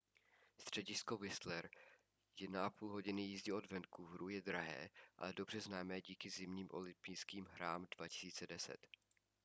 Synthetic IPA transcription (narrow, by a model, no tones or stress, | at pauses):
st̪r̝̥ɛɟɪsko̞vɪst̪lɛɾ | jɛnaʔapuːlɦo̞ɟɪnɪjiːzɟɛo̞dvɛnkuvɾujɛdɾaɦɛ̰ːʔa̰lɛdo̞br̝ɛznaːmɛːɟiːkɪzɪmɲiːmʔo̞̰lɪmpijskiːmɦɾaːmdvacɪ̥siːt͡sɛdɛsɛ̰t̪